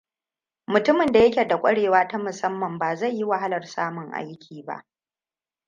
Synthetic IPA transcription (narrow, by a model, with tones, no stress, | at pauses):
mʊ˨tʊ˦mɪ˨nda˨jɐ˦kʲe˨da˨kʷʼɐ˦ɽeː˨waː˦ta˦mʊ˨sɐ˦mːɐ˨mbaː˨za˦˨jːi˦wa˨ɦa˦lɐ˨rsaː˦mʊ˨ŋʔa̰˦jkʲʰiː˨ba̰˦ʔ